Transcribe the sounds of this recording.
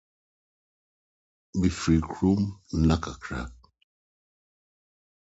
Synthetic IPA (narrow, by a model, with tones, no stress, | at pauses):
bi˨fɾi˨kʰɾu˦m˦na˦ka˨kʰɾa̰˦